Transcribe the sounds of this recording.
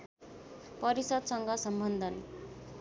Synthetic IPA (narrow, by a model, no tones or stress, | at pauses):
pʌɾisʌd̪sʌŋɡʌsʌmbʱʌnd̪ʱʌn